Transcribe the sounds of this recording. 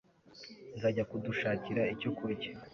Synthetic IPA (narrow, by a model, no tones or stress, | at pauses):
zaːɟakuduʃaːciɾaico̞kʰuɾɟe